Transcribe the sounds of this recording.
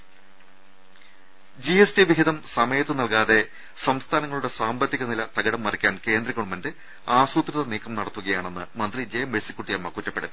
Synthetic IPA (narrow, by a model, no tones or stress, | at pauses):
d͡ʑiestiʋiɦiðɐmsɐmɐjɐt̪ːɨnɐlkaːðe̞ | sɐmst̪ʰaːnɐŋːɐɭuɽe̞saːmbɐt̪ːiɣɐnilɐt̪ɐɡɐɽɐmːɐrikʲːaːnke̞ːnd̪rɐɣɐɭumɐndɨ | aːsuːt̪riɐðɐniːkʰːɐmnɐɽɐt̪ːuɣɐjaːɳe̞nːɨ̰mɐnd̪rid͡ʑejɐmesikːuʈːijɐmːɐkutːɐpːe̞ɽɐðɨ